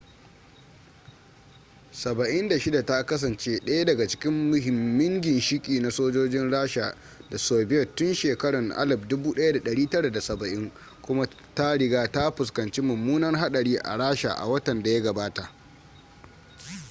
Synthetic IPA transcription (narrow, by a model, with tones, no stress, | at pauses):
sɐ˨bɐ˨ʔɪ˦nda˨ʃɪ˦da˨ta˦kɐ˦s̬ɐ˨nt͡ʃeː˦ɗɐ˦ja˦dɐ˨ɡa˨t͡ʃɪ̥˦kʲɪ˦mːʊ˨ɦɪ˨mːɪ˦ŋɡʲɪ˨nʃɪ˦kʲʼiː˨na˦soː˦d͡ʒoː˦d͡ʒɪ˦nɽaː˦ʃa˨ | da˨soː˨bɪ˦jɐ˨tʊ˦nʃeː˨kɐ˦ɽɐ˨ŋʔa̰˦lɐ˨b̚dʊ˦buː˦ɗɐ˦ja˦da˨ɗɐ˨ɽiː˦tɐ˦ɽa˨da˨sɐ˨bɐ˨ʔɪ˦ŋ | kʷʊ˦ma˦ | ta˦ɽɪ˦ɡaː˦ta˦ɸʊ˨skɐ˨nt͡ʃi˦mʊ˨mːuː˦nɐ˦rɦa˦ɗɐ˨ɽiː˦ʔa̰˨ɽaː˦ʃa̰˨ʔa̰˨wɐ˦tɐ˨nda˨ja˦ɡɐ˨baː˦ta˨ʔ